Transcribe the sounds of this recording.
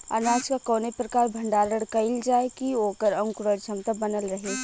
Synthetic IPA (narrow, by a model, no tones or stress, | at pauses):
ə̰naːd͡ʒkakɔːnepɾɐkaːɾbʱəɳɖaːɾəɽkɐɪld͡ʒaːekioːkəɾɐ̃ŋkɾəɾd͡ʒʱɐmt̪əbɐnəlɾɐɦe